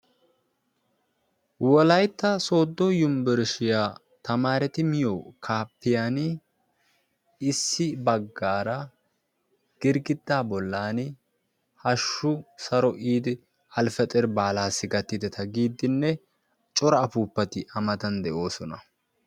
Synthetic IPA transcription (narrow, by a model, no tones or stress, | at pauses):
wɔlɐjt̪ːɐso̞ːd̪ːɔjʊmbɛɾʃɪjaː | t̪ɐmaːɾɛt̪ɪmɪjokʰaːpːɪjan | ɪsːɪbɐɡːaːɾɐ | ɡ̥ɪɾɡɪd̪ːaːbɔlːaːn | hɐʃːʊsɐɾɔʔiːd̪ɪ | ɐlfɛt̪ʼɛɾbaːlaːsːɪɡɐt̪ːɪd̪ɛt̪ʰɐɡiːd̪ːɪnːɛ | t͡ʃʼɔɾɐːpuːpːɐt̪ɪʔɐmɐt̪ɐnd̪ɛʔo̞ːsɔnɐ